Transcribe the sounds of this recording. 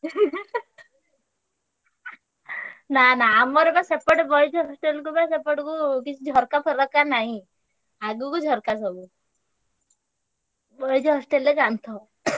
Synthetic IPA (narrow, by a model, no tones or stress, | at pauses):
nanaːmɔɾebasepəʈbɔjd͡ʒɦɔsʈelk̬ubasepəʈkukit͡ʃʰid͡ʒʱɔɾkapʰəɾɔkːanaɦĩ | aɡukud͡ʒʱɔɾkasɔbu | bɔjd͡ʒɔɦɔsʈelːekant̪ʰɔ